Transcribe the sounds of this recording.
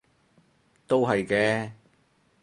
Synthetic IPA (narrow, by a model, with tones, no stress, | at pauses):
t̪o˥wɦɐ˨jkɛː˧˥